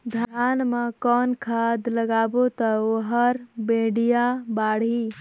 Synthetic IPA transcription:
d̪ʱanmekɔnkʰad̪ləɡabot̪əoɦəɾbeɽijabaɽ̤i

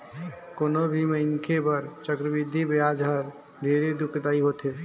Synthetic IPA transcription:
koːnobʱiməɪŋkʰepəɾt͡ʃəkɾəbɪd̪ʱːibejaːd͡ʒəɾ | b̪ʱeːɾed̪ʊkʰd̪aːiɦoːt̪ɦe

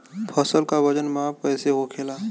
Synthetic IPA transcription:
pʰəsəlkabəd͡ʒənmaːp̚pɛːseɦokʰeːlaː

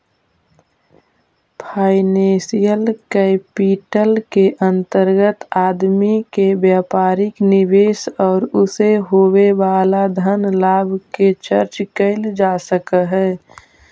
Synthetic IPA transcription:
pʰaːɪnẽsijəlkɛpiʈəlkeʔə̃nt̪əɾɡət̪aːd̪mikebjaːpaːɾɪknɪʋeːsɔːɾʊseɦoweʋaːlad̪ʱənlaːbʱket͡ʃəɾt͡ʃkəɪld͡ʒaːsəkəɦɛː

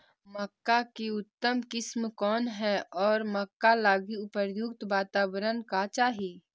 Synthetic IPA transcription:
məkːakeʊt̪ːəmkɪsmkɔːnɦɛɔːɾməkːalaːɡiʊpəɾjʊk̚t̪ʋaːt̪aːbəɾənkat͡ʃaːɦieː

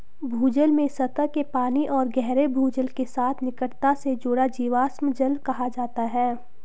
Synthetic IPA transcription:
bʱuːd͡ʒəlmẽsɐt̪əkepaːniʔɔːɾɡɛɦɾebʱuːd͡ʒəlkesaːt̪ʰnɪkəɽt̪ased͡ʒʊɽad͡ʒiːʋaːsməd͡ʒəlkɐɦad͡ʒaːt̪aɦɛː

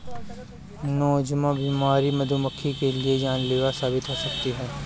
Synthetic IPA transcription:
nɔːd͡ʒmãbiːmaːɾimɐd̪ʱuməkʰːikelied͡ʒaːnleːʋasaːbɪt̪ɦosɐkt̪iɦɛː

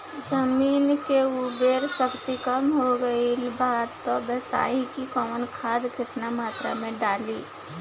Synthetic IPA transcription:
d͡ʒəmiːnkeubəɾsəkt̪ikəmɦoɡəilbaːd̪t̪ɔbɛɦt̪a̰ːĩkikɔːmənkʰaːd̪kɪt̪namaːt̪ɾa̰mẽɖaːliː

